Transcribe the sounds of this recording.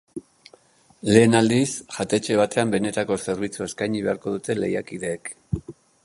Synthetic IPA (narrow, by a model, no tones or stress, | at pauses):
le̞ːnald̪isʝat̪e̞t͡ʃe̞β̞at̪e̞ambe̞ne̞t̪ako̞se̞ɾβ̞it͡sueskajɲiβe̞aɾko̞ð̞ut̪e̞le̞̰jakið̞e̞ːk